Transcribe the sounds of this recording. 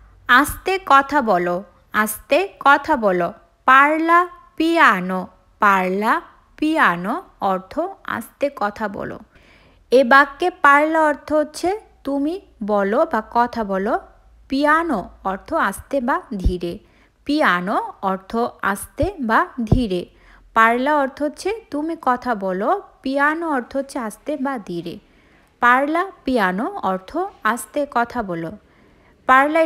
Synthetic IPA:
ast̪ekɔt̪ʰabɔlo | ast̪ekɔt̪ʰabɔlo | paɾlapiano | paɾla | piano | ɔɾt̪ʰoa̰st̪ekɔt̪ʰabɔ̰lo̰ | ebaɡːepaɾlaɔɾt̪ʰoɦotːɕʰet̪umi | bɔlobakɔt̪ʰabɔlo | pianoɔɾt̪ʰoast̪ebad̪ʱiɾe | pianoɔɾt̪ʰoa̰st̪ebad̪ʱiɾe | paɾlaɔɾt̪ʰoɦotːɕʰet̪umikɔt̪ʰabɔlopianoɔɾt̪ʰoɦotːʰeast̪ebad̪ʱiɾe | paɾlapianoɔɾt̪ʰoast̪ekɔt̪ʰabɔlo | paɾla

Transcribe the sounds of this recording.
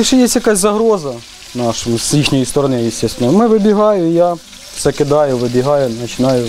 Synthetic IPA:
iʃɛjesʲjɐkɑsʲzɐɦɾɔzɐ | nɑʃɔmʊsʲlʲixnʲɔjist̪ɔɾɔnɪjɪsʲt̪ɛst̪ʋɪnɔjʊmɪʋɪbʲiɦɑjʊja | sɛkɪd̪ɑjʊʋɪbʲiɦɑjʊnɐt͡ʃɪnɑjʊ

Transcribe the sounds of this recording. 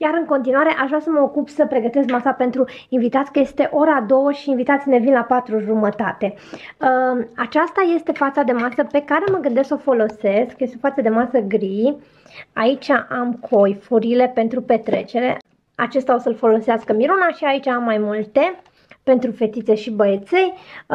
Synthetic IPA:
jaɾɨŋko̞nt̪inuaɾe̞ʔaʃʒvɾasəməokupsəpɾe̞ɡət̪e̞skmasape̞nt̪ɾuinvit̪at̪sʲkəje̞st̪e̞ʔo̞ɾad̪o̞wəʃiːnvit̪at̪sʲine̞vinlapat̪ɾuʒumət̪at̪e̞əat͡ʃast̪aje̞st̪e̞fat̪sad̪e̞masəpe̞kaɾe̞məɡɨnd̪e̞sksofo̞lo̞se̞skjest̪ofat̪sad̪e̞masəɡɾij | ait͡ʃʲaʔamkʰojfuɾile̞pe̞nt̪ɾupe̞t̪ɾe̞t͡ʃe̞ɾe̞̰ | at͡ʃe̞st̪aosəlfo̞lo̞seaskəmiɾunaʃiait͡ʃaamːajmult̪e̞ | pe̞nt̪ɾufe̞t̪it̪se̞ʃibəet̪se̞j

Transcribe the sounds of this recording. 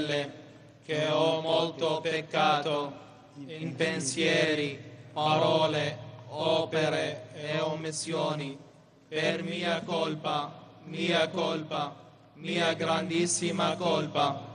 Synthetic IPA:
lːe | keɔmolt̪opekːaːt̪o | impensjɛːɾipaɾɔːleɔːpeɾeeomːisːjoːni | permiːakolpa | miːakolpa | miːaɡɾand̪isːimakolpa

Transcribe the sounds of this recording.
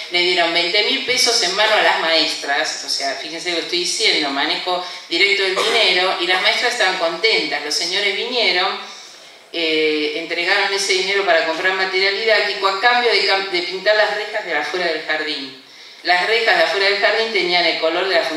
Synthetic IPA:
leðjeɾo̞mbejnt̪e̞milpe̞sosenmãnoalazmaest̪ɾasoseafixens̬elokest̪ojðisjend̪o̞manexo̞ðiɾek̚t̪oelðineɾo̞ʔilazmaest̪ɾasehst̪aβaŋko̞nt̪ent̪azlo̞sːeɲo̞ɾezβinjeɾo̞n | eːnt̪ɾeɣaɾo̞nese̞ðine̞ɾo̞paɾako̞mpɾaɾmat̪eɾjald̪iðak̚t̪ikoakambjoðead̪epint̪aɾlasrexazðelafweɾaðelxaɾðin | lasrexazðeafweɾaðelxaɾðint̪e̞niane̞lko̞lo̞ɾð̞e̞lafu

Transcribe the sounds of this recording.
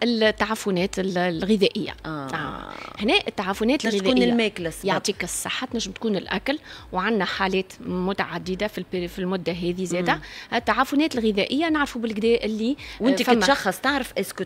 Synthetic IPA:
ɪlt̪ːaʕaːfʊnɛːt̪ɪlɣɪðɛʔɪjːa̰ | hnɛːʔɪt̪ːaʕaːfʊnɛːt̪ɪlɣɪðuːnɪlːmɛːklæsjɑʕt̪ˤiːkɑsˤːɑħːat̪nɛːʒɪmt̪kuːnɪlʔæklwʕanːæħaːlɛːt̪mʊt̪aʕad̪ːɪd̪afilfilmʊd̪ːaɦɛːðizɛːd̪æɪt̪ːaʕaːfʊnɛːt̪ɪlɣɪðɛʔɪjːanaʕɾfubɪlɡd̪ɛːʔɪlːiwɪnt̪ifæmʃɑxːɑsˤt̪aʕɾəfʔɛskʊ

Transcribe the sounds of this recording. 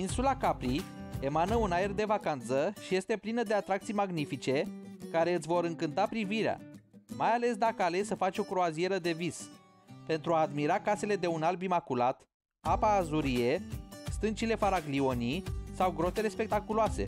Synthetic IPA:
insulakapɾie̞manəunae̞rd̪e̞vakant̪səʃije̞st̪e̞plinəd̪e̞at̪ɾakt̪sijmaɡnifit͡ʃe̞kaɾe̞ɨt̪sʲvo̞ɾɨŋkɨn̪t̪apɾiviɾea̰majale̞sd̪akəale̞səfat͡ʃʲo̞kɾoazijeɾəd̪e̞vis | pe̞nt̪ɾuaːd̪miɾakase̞le̞d̪e̞unalbimakulat̪ | apaːzuɾije̞st̪ɨnt͡ʃile̞faɾaɡlio̞nisawɡɾo̞t̪e̞le̞spe̞k̚t̪akuloase̞̰

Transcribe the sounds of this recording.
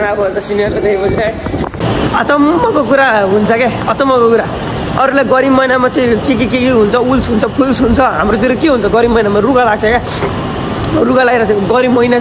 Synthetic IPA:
abʌt̪ʌsinijʌrled̪ekibʌsnã | ʌ̰t͡sʌmːʌkok̬uɾaɦunt͡sʰʌkeʌt͡sʌmːʌkokuɾa | ʌɾulajɡʌɾimʌjnamat͡sʌĩt͡sik̬ikikiɦunt͡sʰʌult͡sɦunt͡sʰʌpʰulsɦunt͡sʰʌɦa̰mɾot̪iɾikeɦunt͡sʰʌɡʌɾimʌjnamaruɡalaɡ̚t͡sʰʌke | ruɡalaɡiɾʌt͡sʌɡʌɾimʌijna

